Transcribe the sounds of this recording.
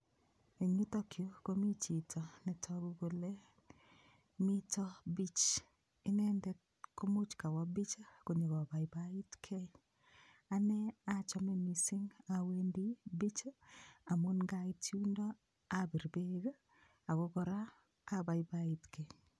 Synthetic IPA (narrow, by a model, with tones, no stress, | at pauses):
e˨ɲu˦t̪ɔ˦kʰjo˦ko˦mi˦t͡ʃi˨tʰɔ˨nɛ˨tʰɔ˦ɡu˦ɡo˨le˦ | mi˦tɔ˦bi˦t͡ʃ | ɪ˦nɛ˦ndɛ˦ | ko˦mu˦t͡ʃka˨wɔ˦bi˦t͡ʃa˦ko˨ɲo˨ɡɔ˨ba˨ɪ˨ba˦i˦tkʰe˦ | a˦nɛ˦a˦t͡ʃɔ˦mɛ˦mi˨sɪ˦ŋa˨we˦ndi˦bi˦t͡ʃa˦a˨mo˦nɡa˦ɪ˦tu˦ndɔ˦ | a˦bi˨ɾbe˦ɡa˦ | a˨ɡɔ˦ɡɔ˨ɾaː˦ | ba˨ɪ˦ba˦ɪ˨tkʰe˨